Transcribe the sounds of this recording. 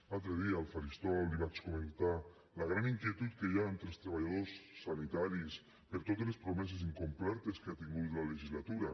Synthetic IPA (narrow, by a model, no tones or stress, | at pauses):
at̪ɾeðialfaɾist̪ɔliβat͡ʃkomekt̪a | laɣ̞ɾaniŋkjet̪ut̪̚kejaent̪ɾelˠst̪ɾeβ̞aʎaðosːanit̪aɾis | peɾt̪ot̪ezlespɾomɛses̬iŋkomplɛɾt̪eskeat̪iŋɡut̪laleʒizlat̪uɾa